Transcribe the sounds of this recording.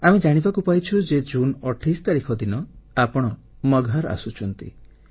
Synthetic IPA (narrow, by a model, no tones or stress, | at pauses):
amed͡ʒaɽ̃ibakupajt͡ʃʰud͡ʒed͡ʒunɔʈʰist̪aɾikʰɔd̪inɔapɔɽ̃ɔ | mɔɡʱaɾa̰sut͡ʃʰɔnt̪ḭ